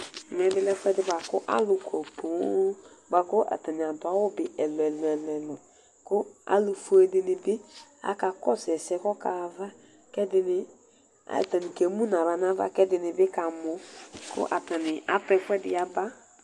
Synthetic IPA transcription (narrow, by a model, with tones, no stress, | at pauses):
ŋɛ˨˦dɪ˦lɛ˦fʷɛ˦dɪ˦ba˨kʊ˦ʔa̰˦lʊ˨kʰo˨pʰu˨˦ba˨kʊ˦ʔa̰˨ta˨nɪ˨a˨n˨tʊ˨˦a˦wʊ˦bɪ˨ɛ˨lɛ˨lɛ˨lɛ˨lɔ˨ | kʊ˦a̰˦lu˨fu˦e˦dɪ˦nɪ˨bɪ˦a̰˦ka˨kɔ˦sɛ˨sɛ˦kɔ˦ka˨va˦ | kɛ˦dɪ˦nɪ˨ | a̰˨ta˨nɪ˨ke˨˦mu˦na˨ɾa˨n˦a˦va̰˦kɛ˦dɪ˨nɪ˨bɪ˦ka˨mʊ˨kʊ̰˦ʔa˨ta˨nɪ˨a̰˦pɛ˨fɛ˦dɪ̰˨ja˦ba˦